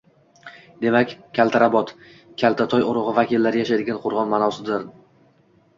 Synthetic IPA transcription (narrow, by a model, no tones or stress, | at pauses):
d̪e̞makʲkʲʰːalˠt̪ʰaɾabɒt̪ | kʲʰalt̪ʰat̪ʰɒjoɾʊʁɨvakʲilːaɾɪjaʃajd̪ɪɡʲanqʰʊɾʁɒnmanawsɪd̪ɪɾ